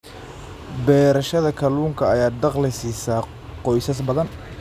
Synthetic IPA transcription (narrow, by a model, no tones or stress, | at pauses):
bɛːɾɐʃɐðɐkʰɐluːŋkʰɐɐjaːd̪ɑqlɪsiːsaː | qɔjsɐs̬bɐðɐn